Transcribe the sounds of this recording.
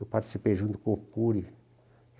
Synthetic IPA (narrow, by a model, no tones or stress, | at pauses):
ewpaɾt̪i̥sipeʒũnt̪u̥kõukuɾi